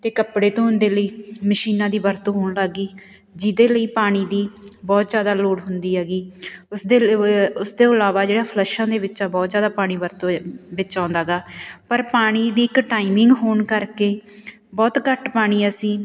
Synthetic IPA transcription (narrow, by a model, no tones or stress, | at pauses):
t̪eːkəpɽeːt̪õːɦʊnd̪eːləiːməʃiːnãːd̪iːbəɾt̪õːɦoːɳlaɡiː | d͡ʒɪd̪eːləiːpaːɽ̃iːd̪iːbɔːt̪zjaːd̪aːloːɽɦʊnd̪iːɦɛːɡiːʊsd̪eːʊsd̪eːəlaːʋaːd͡ʒeːɽãːpʰlɛʃãːd̪eːʋɪt͡ʃaːbɔːt̪zjaːd̪aːpaːɽ̃iːbəɾt̪obɪt͡ʃãːnd̪aːɡaːpəɾpaːɽ̃iːd̪iːɪkʈaːimɪŋɡɦoːɳkəɾkeː | bɔːt̪kəʈpaːɽ̃iːasĩː